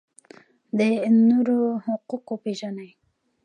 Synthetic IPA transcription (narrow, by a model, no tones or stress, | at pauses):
d̪ənuɾohʊquqopeʒanaj